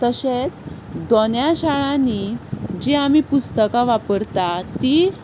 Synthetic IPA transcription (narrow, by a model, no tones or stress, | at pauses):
t̪əɕet͡s | d̪onjaɕaɭãnid͡ʑeamipust̪əkãʋapəɾt̪at̪i